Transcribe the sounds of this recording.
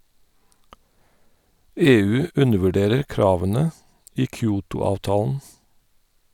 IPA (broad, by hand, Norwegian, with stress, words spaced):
ˈeːˌʉː ˈʉndəʋʉˌɖeːɾəɹ ˈkɾɑːʋənə ˈʔiː ˈkjuːtʊˌɑːʋtɑːln̩